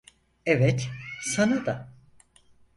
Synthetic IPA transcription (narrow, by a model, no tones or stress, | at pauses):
evɛt̪sanad̪a